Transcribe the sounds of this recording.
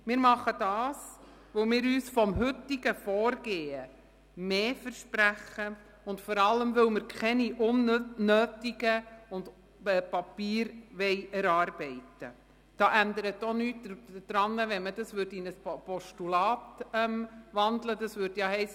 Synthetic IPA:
mɪːɾmɑχəd̥ɑːs | ʋowmɪːɾyːsfɔmɦʏtiɡəfɔːɾɡ̥eːə | meːfəɾʃpɾæχə | ʊntfɔɾɑlːəmʋɵwmɪɾkʰχɛniʔʊnːøːtiɡəʊnd | pɑpiːɾʋɛɪæɾɑːɾb̥ɛɪtə | d̥ɑːʔændəɾətːonyːtd̥ɾɑnːəʋɛnmədɑsʋʏɾdɪnəspɔʃtulɑːtɛmʋɑndlədɑsʋʏɾdjɑɦɛɪs

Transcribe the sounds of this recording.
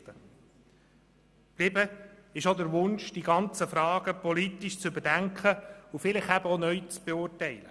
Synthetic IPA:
ə | b̥lɪbəɪʃod̪əɾʋʊnʃd̥iɡɑnt͡səfɾɑːɡəpɔlit̪iʃt͡sʏbədæŋkχəufɪlɪχæbəonœʏt͡sb̥ɛʊːrtɛɪlə

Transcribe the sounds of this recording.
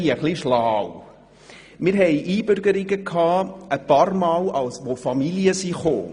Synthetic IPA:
iəχliʃlaːw | mɪɾɦɛɪʔiːbʏɾɡəɾɪɡəkʰɑːəpɑːrmɑːlɑlsʋofɑmiljəsiχo̰ː

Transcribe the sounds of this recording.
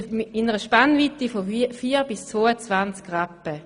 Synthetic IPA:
ɪnəʁəʃpanvit̪ifofiːʁbɪst͡svoːət͡svant͡skʁapːə

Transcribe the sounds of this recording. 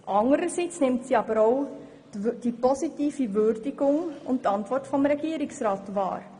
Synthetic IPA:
ʔɑŋəɾəsit͡snɪmtsiɑbəɾoʊ | d̥ipɔsitiːfivʏrdɪɡʊŋʊ̰nttɑntvɔrtfɔmɾɛɡ̥iəɾɪksraːtvɑ̰ːɾ

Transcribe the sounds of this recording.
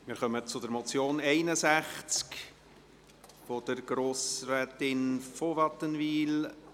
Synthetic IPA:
mɪɾχœmət͡sʊdəɾmɔt͡sjoːnɛɪnəsæχt͡sk | fod̪̥əɾɡ̥ɾoːsrɛːtɪnfoʋɑt̪ːənviːl

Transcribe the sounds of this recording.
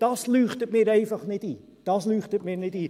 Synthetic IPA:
d̥ɑslyːχtət̚miəɾəjfəχnɛti | d̥ɑslyːχtət̚mirnɛti

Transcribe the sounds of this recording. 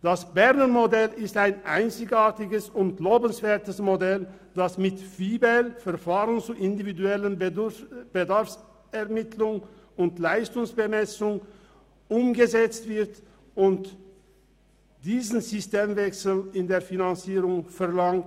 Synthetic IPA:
d̥asb̥ɛʁnənmodɛlɪstaɪnʔa̰ɪnt͡sɪçaːɐtɪɡəsʊnt̚ɡloːbən̩sv̥eːɐtəsmodɛl | d̥asmɪtv̥iːbɛlfɛɐʁfaːʁənt͡suʔɪndividuɛlən | b̥ədaɐfs | ɛɐmɪtʰlʊŋ | ʊntlaɪstʊŋsb̥əmɛsʊŋ | ʔʊmɡəzɛt͡stv̥ɪɐt | ʊnt | d̥iːzn̩zʏsteːmvɛksl̩ɪndeːɐfinant͡siːʁʊŋfɛʁlaŋt

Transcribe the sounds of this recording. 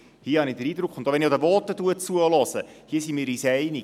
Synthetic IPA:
hiəhɑnidəɾiːdɾʊkχʊnd̥̪oʋɛniod̪əʋɔːtːətuət͡suəlɔsə | hiəsimɪːɾisɛɪni

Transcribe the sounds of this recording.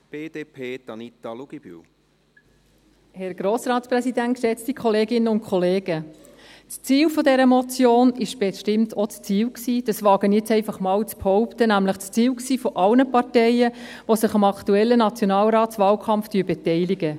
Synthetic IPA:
b̥eːd̥eːpʰeːt̪ɑnit̪ɑluɡ̥ib̥y̰ | hɛɾɡ̥ɾoːsɾɑːtsprɛsidæntʃɛt͡stikʰχɔleːɡɪnːəʊnkʰχɔleːɡ̥ə | t͡st͡siːlfɔdɛɾəmɔt͡sjoːnɪʃb̥ɛʃtɪmtʰot͡st͡siːwksiːd̥ɑsʋɑːɡ̥ənjɛt͡sɛɪfɑχmɑːwt͡sphɔʊptənæmləχt͡st͡siːwksiːfɔʔɑlnəpɑɾtɛjə | ʋosɪχɑmɑktuɛlːənɑt͡sjonɑːlɾɑːtt͡sʋɑːlkʰɑmftyːbɛtɛɪliɡə

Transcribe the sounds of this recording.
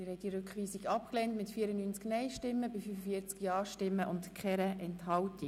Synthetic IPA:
ɪɾhɛt̚diɾʏkχʋiːsiɡɑp̚klɛntmɪtfiːəɾənyːnt͡sknɛɪʃtɪmːəbifyfəfiət͡skjɑːʃtɪmːəʔʊntkχɛɾəʔɛnthɑlti

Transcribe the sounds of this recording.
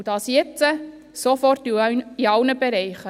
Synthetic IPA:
d̥ɑːsjɛt͡sə | sofɔrtiiɑwnəbeɾɛɪχə

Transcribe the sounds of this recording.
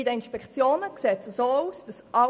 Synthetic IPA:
idəinʃpɛkt͡sjoːnəkseːtsəsoːuːsd̥ɑsʔɑ

